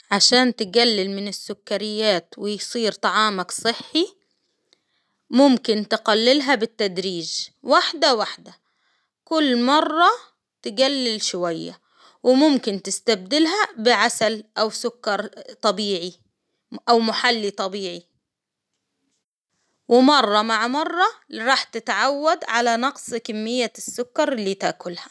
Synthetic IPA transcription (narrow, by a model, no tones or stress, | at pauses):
ʕaʃaːnt̪ɪɡalːɪlmɪnɪsːʊkːaɾɪjːaːt̪wɪjsˤiːɾt̪ˤɑʕɑːmaksˤɨħːi | mʊmkɪnt̪ɪqalːɪlɦabɪt̪ːad̪ɾiːʒwaħd̪awaħd̪a | kʊlːmɑrˤːɑ | t̪ɪɡalːɪlʃʊwajːa̰ | wɪmʊmkɪnt̪ɪst̪ab̚d̪ɪlɦabɪʕasalʔawsʊkːɑɾˤt̪ˤɑbiːʕi | ʔawmʊħalːit̪ˤɑbiːʕi | wɪmɑrˤːɑmaʕmɑrˤːɑɾˤɑːħt̪ɪt̪ʕawːad̪ʕalanɑqsˤkamːɪjːasːʊkːɑɾˤɪlːiːt̪aʔkʊlha